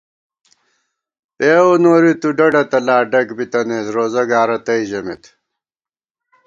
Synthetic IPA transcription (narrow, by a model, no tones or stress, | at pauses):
eːonoːɾit̪uɖɐɖɐt̪ɐlaːɖɐkbit̪ɐneːsɾoːzɐɡaːɾɐt̪ɐiʑɐmet̪